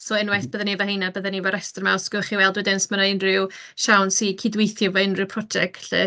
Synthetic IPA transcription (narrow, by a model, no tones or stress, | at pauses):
sɔɪnwajθb̥əːðanivəhejnabəðanivaɾɛstrmaɔsɡ̥ɔχiwɛlˠdwɪdɪnsmənaɪnrɪw | ʃawnsikʰidwejθjɔvɔɪnrɪwpʰrɔd͡ʒɛk̚tɬɪ̰